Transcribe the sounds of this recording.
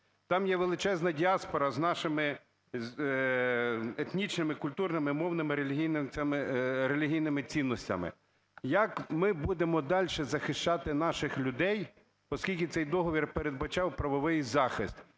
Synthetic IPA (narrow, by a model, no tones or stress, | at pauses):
t̪ɑmjɛʋelˠɪt͡ʃɛznɐdʲiɑspɔɾɐznɑʃɪmɪ | et̪nʲit͡ʃnɪmɪkʊlʲt̪urnɪmɪmɔwnɪmɪɾelʲɦijnʲmɪɾelʲiɦʲijnɪmɪt͡sʲinːɔsʲtʲɐ̰mɪ̰ | jɐkmɪbud̪emɔd̪ɑlʲʃɛzɐxɪʃt͡ʃɑt̪ɪn̪ɑʃɪxlʲʊd̪ɛj | pɔskʲilʲkʲɪt̪sɛjd̪ɔɦɔʋʲirpeɾed̪bɐt͡ʃɑwpɾɐʋɔʋɪjzɑxɪst̪